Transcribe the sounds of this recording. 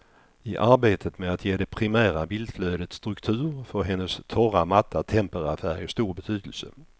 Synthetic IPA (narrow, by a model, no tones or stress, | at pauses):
ɪʔaɾbeːt̪ʰət̪meat̪ʰjeːd̪ɛpʰɾɪmæːɾabɪld̪fløːd̪ət̪st̪ɾɵkt̪ʰʉ̟ːɾfœɾɦɛnːəst̪ʰɔɾamat̪ʰːat̪ʰɛmpəɾafæːɾəst̪uːɾbɛt̪ʰyːd̪əlsə̰